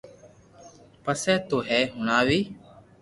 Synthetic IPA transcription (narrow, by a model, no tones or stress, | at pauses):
pəsɛːt̪oːɦɛːɦʊɳaːʋiː